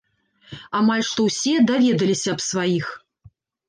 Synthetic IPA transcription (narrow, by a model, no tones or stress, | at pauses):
amalʲʂt̪ɔwsʲɛd̪avʲɛd̪ɐlʲisʲɐɐpsvajix